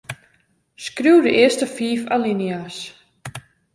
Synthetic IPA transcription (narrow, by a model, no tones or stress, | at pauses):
skruwdəʔɪəstəfiːfalinias